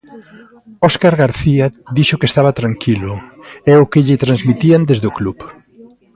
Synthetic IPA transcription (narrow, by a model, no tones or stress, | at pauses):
ɔskaɾɣaɾθiad̪iʃʊkest̪aβat̪ɾaŋkʰilʊɛʊkɪʎɪt̪ɾanzmit̪iand̪ezðeokluβ